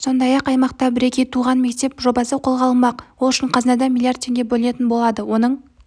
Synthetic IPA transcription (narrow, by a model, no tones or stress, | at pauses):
so̞nd̪ɑjɑqɑjmɑqt̪ɑbɪɾe̞kʲe̞jt̪ʰuʁɑnme̞k̚t̪e̞pʒo̞bɑsəqʰo̞lˠʁɑlˠənmɑqwolˠʏʃɪɴqʰɑznɑd̪ɑmilˠijard̪̚t̪ʲʰeŋɡʲe̞bɵlɪne̞t̪ɪnbo̞lˠɑd̪əwo̞nəɴ